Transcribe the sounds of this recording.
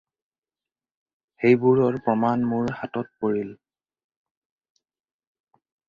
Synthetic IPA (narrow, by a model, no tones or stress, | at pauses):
xejbuɹɔɹpɹɔmanmuɹhatɔt̚poɹil